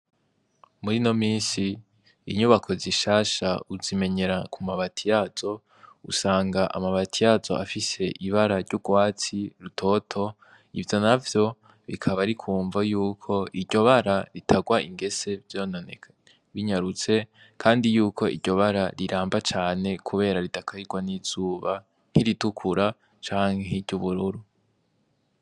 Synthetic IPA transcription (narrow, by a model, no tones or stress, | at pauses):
muɾino̞miːnsḭː | ɲuβakʰo̞ziʃaːʃauzime̞ɲe̞ɾakʰumaβatʰijaz̥o̞ | ṵsaːŋɡaʔa̰maβatʰijazo̞̰ʔafise̞ʔiβaɾaɾɟuɡwaːt͡siɾutʰo̞tʰo̞ | ḭvjo̞navjo̞ | βikʰaβaɾikʰuːɱvajuːkʰo̞iɾɟo̞βaɾaɾitʰaɡwaiŋɡe̞se̞vjo̞ːnone | βiɲaɾut͡se̞ | kʰaːndijuːkʰo̞ʔḭɾɟo̞βaɾaɾiɾaːmbat͡ʃaːne̞kʰuβe̞ːɾaɾitakʰaiɡ̥waniz̥uːβa | n̥iɾitukʰuɾa | t͡ʃaːŋ̥heeɾɟuβuɾuɾu